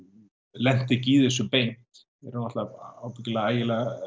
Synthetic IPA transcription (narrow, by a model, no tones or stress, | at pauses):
lɛn̥t̪ɪciːðɪsʏpejn̥t̪ | ɛɾnaht̪laawpɪcɪlaaːjɪla